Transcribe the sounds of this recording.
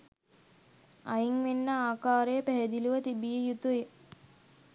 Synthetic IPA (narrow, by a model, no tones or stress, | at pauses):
a̰jiŋʋenːəaːkaːɾejəpæɦɛd̪iluʋət̪ibijəjut̪ue